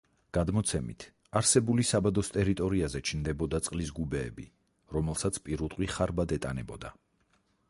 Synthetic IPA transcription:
ɡ̥ad̪mɔt̪sʰɛmḭt̪ʰ | aɾsɛbulisabad̪ɔst̪ʼɛɾit̪ʼɔɾiazɛt͡ʃʰnd̪ɛbɔd̪at̪sʼqʼlisɡubɛːbi | ɾɔmɛlˠsat̪sʰpʼiɾut̪ʼwiχaɾbad̪ɛt̪ʼanɛbɔd̪a

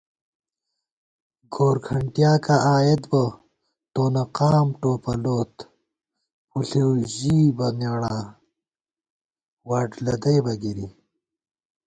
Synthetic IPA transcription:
ɡoːɾkʰɐɳʈjaːkaʔaːjet̪bɐ | t̪oːnɐqaːmʈoːpɐloːt̪ | uɬewʑiːbɐneɽaː | waːʈlɐd̪ɐjbɐɡiɾi

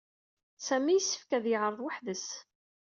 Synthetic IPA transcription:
sæmːijəsːə̥fkæðjəʕɾˤəðˤwaħðəs

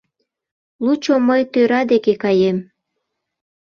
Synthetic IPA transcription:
lut͡ɕoməjt̪øɾɑd̪ekekɑjem

